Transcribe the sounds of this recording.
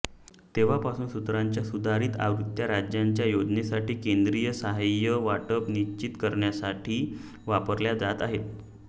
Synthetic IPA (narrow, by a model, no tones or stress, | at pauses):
t̪eʋ̤apasuːnsut̪ɾaɲt͡ɕjasud̪ʱaɾiːt̪a̰ʋɾut̪jaɾad͡ʑjaɲt͡ɕjajod͡ʑnesaʈiːkend̪ɾijəsəɦajəʋaʈəpniɕt͡ɕit̪kəɾɳjasaʈʰiː | ʋapəɾljad͡zat̪aɦet̪